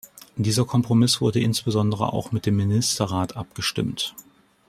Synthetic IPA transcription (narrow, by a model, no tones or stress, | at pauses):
d̥iːzɐkʰɔmpʁ̥omɪsv̥ʊɐdəʔɪnsb̥əzɔndəʁ̞ə̰ʔa̰ʊxmɪt̚d̥eːmːɪnɪstɐʁaːtʔap̚ɡ̥əʃtɪ̰mt